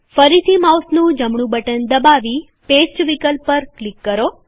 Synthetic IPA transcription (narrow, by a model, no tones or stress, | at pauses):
fəɾit̪ʰimawsnũd͡ʒəmɳũbəʈənd̪əbaʋi | pesʈʋikəlpːəɾklikːəɾo